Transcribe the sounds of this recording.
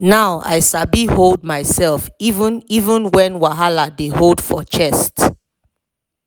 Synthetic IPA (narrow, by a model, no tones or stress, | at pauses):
naʊa̰ɪsabihold̚maɪsɛlˠfivə̃nivə̃nwɛ̃nwaɦaladeɦold̥fɔt͡ʃɛst